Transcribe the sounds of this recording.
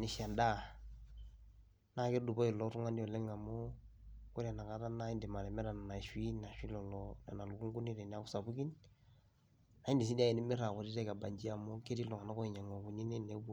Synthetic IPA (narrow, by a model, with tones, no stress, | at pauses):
ni˨ʃa˨nda˦˨ | na˦ke˦du˨bo˦i˨lɔ˦tu˦ŋa˦ni˦ɔ˨le˦ŋa˨mo˦ko˦ɾa˨na˨ka˨˦ta˦na˦i˦ndi˨ma˨ɾɛ˨mɛ˦ɾa˨n˨na˨ʃwi˦na˨ʃwi˦lɔ˨lɔ˦na˨na˨lu˨ku˦ŋɡu˦ni˦ɾe˨n˨˦a˦ku˦sa˨bu˦ki˦n | a˨˦i˦ndi˨s̬i˦ndia˦e˨ni˦mɪ˦ɾa˨kɔ˨ɾi˦tɛ˦ka˨ba˨ɲd͡ʒi˦a˨mo˦ke˦ti˦lɔ˨ŋa˨na˦kɔ˦i˨ɲa˨ŋɔ˨bu˨ni˦ne˦ne˨˦b